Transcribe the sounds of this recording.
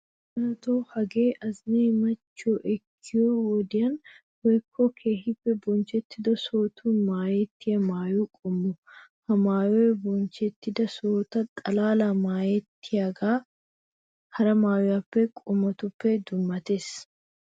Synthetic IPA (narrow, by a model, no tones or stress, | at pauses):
ɾɐt̪oːhɐɡe̞ːʔɐzneːmɐt͡ʃːoʔɛkʰːɪjohoːd̪ɪjɐn | wɔjkʰːɔkʰeːhɪpːɛbɔnt͡ʃɛt̪ːɪd̪ɔsoːt̪ʰuːnmaːjɛt̪ːɪjɐmaːjukʼʊmːʊhɐmaːjɔjbɔnt͡ʃɛt̪ːɪd̪ɐsoːt̪ɐt̪ʼɐlaːlamaːjɛt̪ːɪjaːɡaː | hɐɾɐmaːjɔjapːɛkʼʊmɐt̪ʊpːɛd̪ʊmːɐt̪eːs